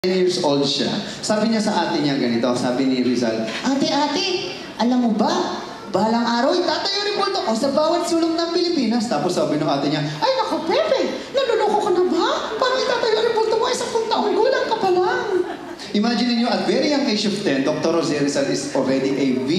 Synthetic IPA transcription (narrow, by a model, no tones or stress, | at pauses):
njiɹsʔold̪̚ʃa̰ | saːbɪɲasɐʔaːt̪ɪɲɐɡɐnɪt̪osaːbɪniɾɪza̰lʔaːt̪ɛʔaːt̪ɛ | ʔɐlɐmːobɐ | baːlɐŋʔaːɾɐwɪt̪aːt̪ɐjoɾɛpolt̪oko̞sɐbaːwɐt̪̚suːloŋnɐŋpɪlɪpiːnɐst̪aːposːabɪnʊŋʔaːt̪ɪɲaʔɐjnɐkɐpɛbɛ | nɐnonokːkɐnɐbapaːɡɐɪt̪aːt̪ɐjoŋɾɛpolt̪omoʔɪsapoŋt̪ɐʔoŋɡuːlɐŋkɐpɐlaŋ | ʔɪmaːd͡ʒɪnɪnɲoʔɐt̪̚vɛɾiɐŋt̪eʃoft̪ɛnd̪ok̚t̪oɾozɛɾɪzɐlɪsolɹɛd̪iʔejv